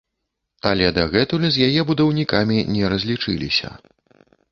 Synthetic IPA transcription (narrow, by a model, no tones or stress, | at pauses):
alʲɛd̪ɐɣɛt̪ulɛzʲjajɛbud̪ɐwnʲikamʲinʲɛɾɐzʲlʲit͡ʂɨlʲḭsʲɐ̰